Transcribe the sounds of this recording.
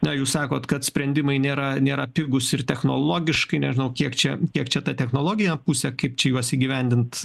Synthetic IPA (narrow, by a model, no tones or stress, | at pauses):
nʲɛjuːssɑːkoːt̪kɐt̪sʲpʲɾʲɛnʲd̪ʲɪmɐɪnʲeːɾɐnʲeːɾɐpʲɪɡʊsɪrt̪ʲɛxnoːlˠoːɡʲɪʃkɐɪnʲɛʒʲɪnɐʊkʲiɛkt͡ʃʲɛkʲiɛkt͡ʃʲɛt̪ɐt̪ʲɛxnoːlˠoːɡʲɪjɛpuːsʲɛkɐɪp̚t͡ʃʲɛjuɔsiːɡʲiʋʲɛnʲd̪ʲɪnt̪